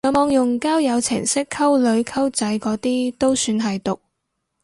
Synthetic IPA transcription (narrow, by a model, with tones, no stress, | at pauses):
ɐ˨˧˥mɔː˨˧ŋjʊ˨˩ŋkaː˥wjɐ˨˧wt͡sʰɪ̰˨˩ŋsɪ˥kʰːɐ˥wlɵ˨˧˥ɥkʰɐ˥wt͡sɐ˨˥jkɔː˨˥t̪iː˥t̪o˥wsyː˨˧nɦɐ˨jt̪ʊ˨k̚